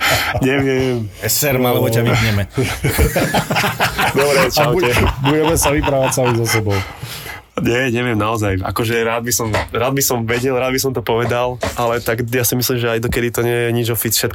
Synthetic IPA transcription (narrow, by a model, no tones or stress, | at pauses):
ɲɛʋɪɛmɛsɛɾmalɛbɔcaʋizɲɛmɛ | d̪ɔbɾɛt͡ʃaʊɛbuɟɛmɛsaʋipɾaːʋacsamizɔsɛbɔʊ | ɲɛɲɛʋɪɛmnaɔzaja̰kɔʒɛɾaːd̪̚bisɔmɾaːd̪̚bisɔmʋɛɟɛlɾaːd̪bis̬ɔmt̪ɔpɔʋɛd̪alʔalɛt̪aɡjaːsimislimʒɛajd̪ɔkɛd̪it̪ɔɲɛjɛɲid͡ʒɔfit͡sfʃɛt̪k